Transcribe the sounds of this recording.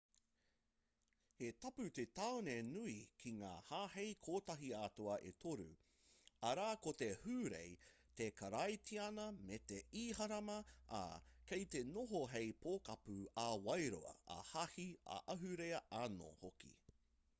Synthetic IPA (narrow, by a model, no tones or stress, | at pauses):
hetɐpʉt̪etawnenuikʰiŋa̰ːhaːhejkʰoːtɐɦiaːtoɐʔetʰoɾʉ̰ | ɐɾaːkotehʉːɾḛj | t̪ekʰɐɾɐjtiɐnɐmet̪eiːhɐɾɐmɐa̰kejt̪enoɦoɦejpʰoːkɐpʉɐwɐjɾo̰ɐ̰ɐ̰hɐhiɐ̰ʔɐɦʉɾeɐʔano̰hokḭ